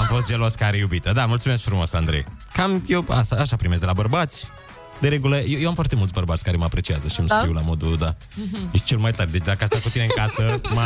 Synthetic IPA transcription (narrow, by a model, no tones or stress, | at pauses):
amfo̞st̪ʒeloskaɾejubit̪əd̪amult̪sumeskfɾumo̞sand̪ɾe̞̰j | kamjewa̰ʃaːʃapɾimes̚ɡd̪elabərbat̪sʲ | d̪eɾeɡuləjejewamfwart̪e̞mult̪sbərbat̪sʲkaɾeməapɾe̞t͡ʃiazəʃimkɾiwlamo̞d̪ud̪a | eʃt͡ʃelmajt̪arʲd̪et͡ʃd̪akəas̬t̪akut̪ineɨŋkasəma